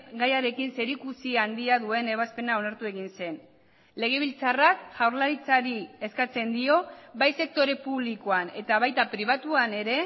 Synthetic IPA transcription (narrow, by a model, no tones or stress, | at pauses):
ɡajaɾe̞kinse̞ɾikusiand̪iaðue̞ne̞β̞aspe̞nao̞naɾt̪ue̞ɣinse̞n | le̞ɣ̞e̞βilt͡sarakʝawɾlaɾit͡saɾie̞skat͡se̞nd̪io̞βajse̞k̚t̪o̞ɾe̞puβliko̞ane̞t̪aβajt̪apɾiβ̞at̪uane̞ɾe̞